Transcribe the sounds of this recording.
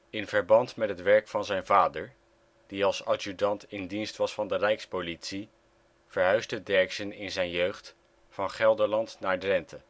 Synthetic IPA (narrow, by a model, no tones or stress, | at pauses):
ɪnvəɹbɑntmɛtɦətʋɛɹkfɑnzɛjnvaːdəɹ | d̥iɑlˠsɑ̰d͡ʒydɑntɪndinstʋɑsfɑndərɛjkspolitsi | v̥əɹɦœɥzdədɛɹksənɪnzɛjnjøɥχt | fɑnχɛlˠdəɹlɑntnaːɹdrɛntʰə